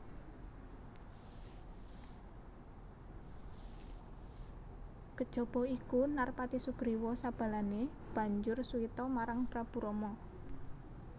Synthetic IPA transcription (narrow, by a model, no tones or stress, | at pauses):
ɡ̥ə̤d̥ʒ̥ɔ̤b̥ɔ̤ikunarpat̪isuɡ̥ɾiwɔsab̥ä̤lane | b̥a̤ɲd͡ʒʊrsuit̪ɔmaɾaŋpɾab̥ṳɾɔmɔ